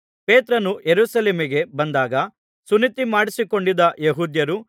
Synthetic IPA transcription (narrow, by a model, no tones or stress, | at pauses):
pe̞ːt̪ɾɐnujeɾuːsɐleːmiɡe̞bɐnd̪aːɡɐ | sunit̪imaːɽisiko̞ɳɖid̪ɐjeɦuːd̪jɐɾu